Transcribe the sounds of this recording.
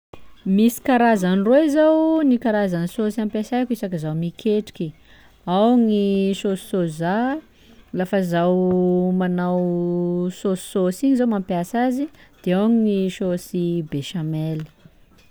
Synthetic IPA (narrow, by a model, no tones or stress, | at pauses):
misi̥kaɾazanrozawnikaɾazanisosiampjasajkisakəzawmikʰeʈ͡ʂi̥kʲi | awŋisosi̥soza | lafəzawmanaw | sossosiɲizawmampjasazid̪̥eawaŋinisosibeʃamɛli̥